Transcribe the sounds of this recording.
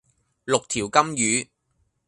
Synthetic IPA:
lʊ˨k̚t̪ʰiː˨˩wkɐ˥mjyː˨˧

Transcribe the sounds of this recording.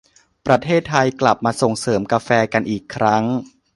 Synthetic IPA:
pɾa˧t̪ʰeː˥˩t̪ʰːa˧jkla˨˩p̚maː˧so˨˩ŋsɤː˩˦mka˧fɛː˧ka˧nʔiː˨˩kʰːɾa˦˥ŋ

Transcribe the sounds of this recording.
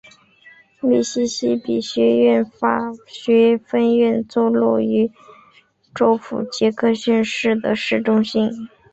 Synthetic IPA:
li˥˩ɕi˥ɕi˥pi˨˩ɕɥɛ˧˥ɥɛ˥˩nfa˨˩ɕɥɛ˧˥fə˥nɥɛ˥˧nt͡swɔ˥˧lɔ̰˥˩y˧˥ | ʈ͡ʂo˥ʊfṵ˨˩t͡ɕjɛ˧˥kʰɤ˥˧ɕɛ˥˧nʂɻ̩˥˩d̪ə˩ʂɻ̩˥˩ʈ͡ʂʊ˥ŋɕi˥n

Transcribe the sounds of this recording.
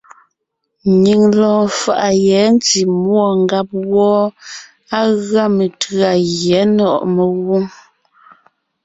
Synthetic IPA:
ɲi˨ŋlɔː˨fa̰˨ʔa˨jɛ˨˦n˦ti˨mwɔ˨ŋ˦ɡa˦p̚wɔː˦ | a˦ɣa˦mə˨tɰa˨ɣjɛ˨˦nɔ˦˨ʔmə˨ɣu˦ŋ

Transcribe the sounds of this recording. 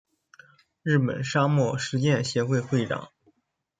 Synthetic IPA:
ɻɻ̩˥˩pə̰˨˩nʂa˥mwɔ˥˩ʂɻ̩˧˥t͡ɕjɛ˥˧˩nɕjɛ˧˥xwe˥˧ɪxwe˥˩ɪʈ͡ʂɑ̰˨˩˦ŋ

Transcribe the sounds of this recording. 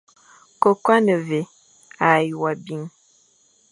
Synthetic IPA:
ko˨kwa˦nə˨ve˨ | a˨ja˨bi˨ŋ

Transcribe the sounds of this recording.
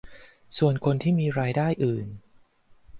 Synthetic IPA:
su˨˩ənkʰo˧nt̪ʰiː˥˩miː˧ɾaː˧jdaː˥˩jʔɯː˨˩n

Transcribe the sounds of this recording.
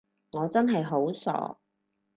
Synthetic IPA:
ŋɔː˨˧t͡sɐ˥nɦɐ˨jɦo˨˥wsɔ̰ː˨˥

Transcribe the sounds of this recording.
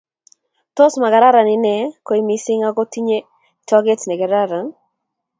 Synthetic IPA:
tɔ˦sma˨ɡa˨ɾa˦ɾa˨nɪ˨nɛ˨ko˨˦i˦mi˦sɪ˦ŋa˦ɡɔ˦ti˦ɲe˦ | tɔ˦ɡɛ˦tnɛ˨ɡɛ˨ɾa˦ɾa˨n

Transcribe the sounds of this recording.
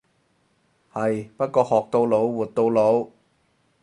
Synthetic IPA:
hɐ˨jpɐ˥t̚kɔː˧hɔː˨˩k̚t̪o˧wlo˨˥wwuː˨t̚t̪ːo˧wlo˨˧˥w

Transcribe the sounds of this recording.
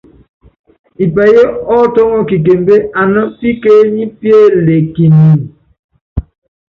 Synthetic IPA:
i˨pɛ˨je˦ɔ˦tɔ˦ŋɔ˦ki˨k̬e˨m˦be˦a˨nɔ˦pi˦ke˦ɲi˦pje˦le˨ki˨ni˨

